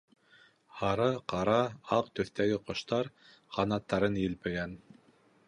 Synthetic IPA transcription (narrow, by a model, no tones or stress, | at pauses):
hɑɾɑqɑɾɑɑq̚t̪ɵ̆θt̪æɡɘqŏʃt̪ɑɾ | qɑnɑt̪ːɑɾɤnjɘ̆lpɘ̆ɡæn